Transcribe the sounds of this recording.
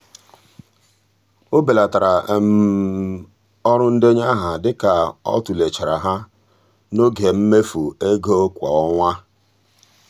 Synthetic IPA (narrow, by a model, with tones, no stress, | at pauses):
o˦be˨la˨ta˨ɾa˨m˨ | ɔ˦ɾʊ˦n̩˦dɪ˦ɲ˦a˦ɦa˨dɪ˦ka˨ɔ̰˦tu˨le˨t͡ʃa˨ɾa˨ɦa˦ | no˦ɡe˨m̩˦me˦fu˨e˦ɡo˦kʷa̰˨ɔ˦ŋʷa˦